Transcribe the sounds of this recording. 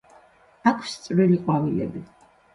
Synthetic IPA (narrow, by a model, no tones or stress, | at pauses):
akʰst̪sʼvɾiliqʼwavilɛ̰bi